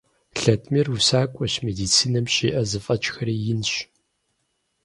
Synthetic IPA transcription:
ɬɐtʰmirusaːkʷʼɔɕmeːdiːt͡sʰiːnɐmɕiːʔɐzɨfʼɐt͡ʃʼxɐɾiːjɪnɕ

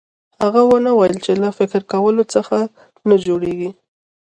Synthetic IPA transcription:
haɣawənawajəlt͡ʃelafɪkɾkawəlot͡səxa | nad͡ʒoɽeɡi

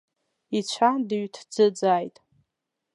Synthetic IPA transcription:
it͡ɕʷʰandɨɥtʰd͡zɨd͡zaːjtʼ

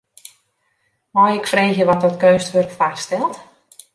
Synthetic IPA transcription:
mɔjɪkfreːxjəʋɔt̚dɔtkøːstʋørkfastɛlˠt

